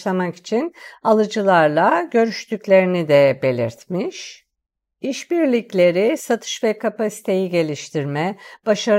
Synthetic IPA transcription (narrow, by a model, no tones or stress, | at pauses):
lˠamaki̥t͡ʃʰinalˠɯd͡ʒɯlˠaɾlˠaɟø̞ɾyʃt̪ʰykʲlʲe̞ɾinid̪ɛbe̞lʲḭɾt̪miʃ | iʃbiɾlʲiclʲe̞ɾisat̪ʰɯ̥ʃvɛkʰapasi̥t̪ʰe̞jiɟe̞lʲiʃt̪ʰiɾmɛb̥aʃaɾ